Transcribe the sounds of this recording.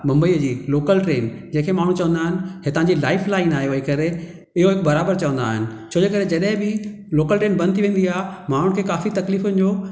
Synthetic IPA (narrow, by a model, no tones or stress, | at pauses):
mɐ̃mbəiːəd͡ʑiːloːkəlʈɾeːnd͡ʑẽːkʰemaːɽ̤̃ut͡ɕɐʋənd̪aːɦɪnɪ̆ɦɪt̪ɐãɲd͡ʑilaːɪflaːɪnaːɦijoɐɦikɐɾe | ɪɦoɦɪkbɐɾaːbəɾt͡ɕɐʋə̃nd̪a̰ːɦɪnɪ̆t͡ɕʰoːd͡ʑeːkɐɾed͡ʑɐɗɦɪ̃bɪ | loːkəlʈɾeːnbɐ̃nt̪ʰiʋẽːn̆d̪iaːɦmaːɽ̤̃ʊɽ̃kʰeːkaːfit̪ɐkliːfʊnɪ̆d͡ʑoː